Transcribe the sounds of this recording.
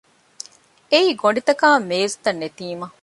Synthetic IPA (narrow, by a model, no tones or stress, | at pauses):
eiːɡoɳɖit̪ɐkaːmeːzt̪ɐnːet̪iːmɐ